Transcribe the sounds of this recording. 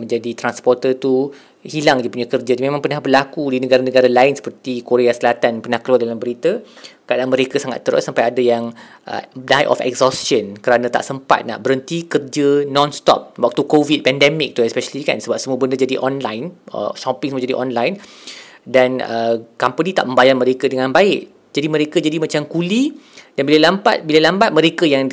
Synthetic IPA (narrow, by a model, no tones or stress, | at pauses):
mə̃ɲd͡ʒadit̪ɾanspɔrt̪ət̪u | hilaŋdəpuɲakərd͡ʒadmẽmãŋpərnahbərlakudinəɡaɾanəɡaɾalaɪnsə̥pərt̪ikoɾeasəlat̪anpənahkəlualdalambəɾit̪akadaanmə̃ɾekasaŋa̰t̪ːəɾʊ̰sampajadajaŋ | ʔə̰dajʔɔ̰fɛ̰ksɔstjənkəɾanãt̪a̰ʔsəmpa̰t̪̚na̰ʔbəɾənt̪ikərd͡ʒənɔ̃nst̪ɔ̰p̚wɔk̚t̪ukovid̚pɛndɛmɪk̚t̪uɛspɛʃəlika̰nsəbap̚səmuəbəndəd͡ʒadiʔɔnlajnə̰ʃɔpiŋsəmuə̃d͡ʒadiʔɔnlajn | danəkampənĩt̪a̰ʔmə̃mbajarməɾekədəŋãnbaɪʔ | d͡ʒadimə̃ɾekəd͡ʒadimãt͡ʃamkulidanbilalamba̰t̪̚biləlambat̪̚mə̃ɾekəjaŋ